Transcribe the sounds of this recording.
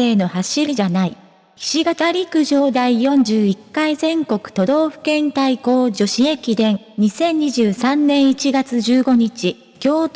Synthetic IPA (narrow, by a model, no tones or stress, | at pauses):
e̞ːno̞haɕiɾʲid͡ʑanai | çi̥ɕiɡat̪aɾʲikɯ̟ʑo̞ːd̪aijõ̞ɲd͡ʑɨːikːaizẽ̞ŋko̞kɯ̟̥t̪o̞d̪o̞ːɸɯ̟̥kẽ̞nt̪aiko̞ːd͡ʑo̞ɕiekʲid̪ẽ̞ŋ | ɲ̟isẽ̞ɲ̟ːiʑɨːsãnːẽ̞ɰ̃it͡ɕiɡat͡sɨʑɨːɡo̞ɲ̟it͡ɕi | kʲo̞ː